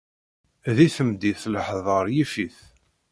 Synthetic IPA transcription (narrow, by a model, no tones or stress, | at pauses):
ðiθəmd̪iθləħðˤəɾˤjifiθ